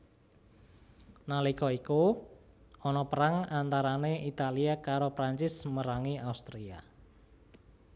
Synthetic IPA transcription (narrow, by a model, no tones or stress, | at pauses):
nalikɔiku | ɔnɔpəɾaŋant̪aɾaneʔit̪aliakaɾopɾaɲt͡ʃɪsməɾaŋiaust̪ɾia̰